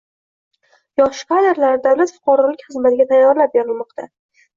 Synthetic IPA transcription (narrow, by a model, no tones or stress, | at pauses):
jɒʃqʰad̪eɾlaɾɪd̪awlat̪fʊ̥qʰɑɾɒlɪkʲχɨzmat̪ɪɡʲat̪ʰajːɒɾlap̚beɾɪlmɒqt̪ʰa